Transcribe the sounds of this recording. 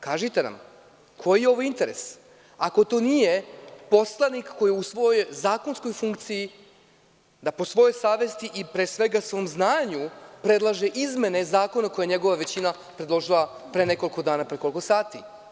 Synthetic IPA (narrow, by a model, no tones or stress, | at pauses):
kaːʒit̪e̞na̰m | kʰo̞jijeo̞ʋoint̪e̞ɾe̞̰s | ako̞t̪o̞ːnije̞po̞slˠanikːo̞jiusʋo̞jojzaːko̞nsko̞jfuŋkt̪siji | d̪apo̞sʋo̞jo̞jsaːʋe̞st̪iʔipɾesʋe̞ɡasʋo̞ːmznaːɲupɾe̞d̪lˠaʒeʔizme̞nezaːko̞nako̞jaɲeɡo̞ʋaʋe̞t͡ɕina | pɾed̪lˠo̞ʒilˠapɾene̞ko̞lko̞d̪aːnapɾekoliko̞saːt̪i